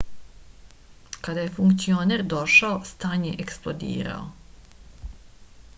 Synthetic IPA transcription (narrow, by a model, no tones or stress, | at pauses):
kad̪aje̞fuŋkt̪sio̞neɾd̪o̞ʃaost̪aːɲeʔeksplˠod̪ḭːɾa̰o̰